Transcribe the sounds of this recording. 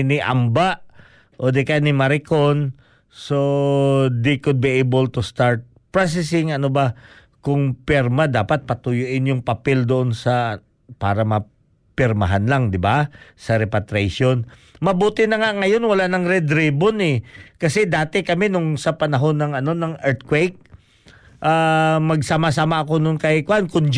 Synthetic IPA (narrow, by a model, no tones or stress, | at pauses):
nɪʔa̰mbaʔ | ʔod̪ɛkanɪmɐɾɪko̞n | so | d̪ekʊd̪̚biʔejbolt̪ʊst̪aɹt̪̚ | pɹas̬ɛsɪŋɐnoba | kʊŋpɛɾmad̪aːpat̪̚pɐt̪ʊjʊʔɪnjʊŋpɐpɛld̪oʔonsɐ | paːɾɐmɐ | pɪɾmɐ̰ɦanlaŋd̪ɪbasɐɾɛpɐt̪ɾɛʃonmɐbuːt̪ɪnɐŋaŋɐjo̞nwɐlaʔnɐŋɾɛd̪ɾiːbonɛkɐsɛd̪aːt̪ɛkɐmɛnʊŋsɐpɐnɐɦo̞nːɐŋɐno̞nɐŋʔɛɾt̪̚kwejk̚ | ʔamɐɡsamasaːmaʔɐko̞nonkɐjkwankʊnd͡ʒ